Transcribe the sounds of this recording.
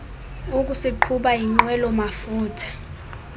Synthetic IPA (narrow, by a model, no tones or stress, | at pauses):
uk̬ʼusiǃʰuɓaiŋ͡ǃwɛlɔmafuːtʰḁ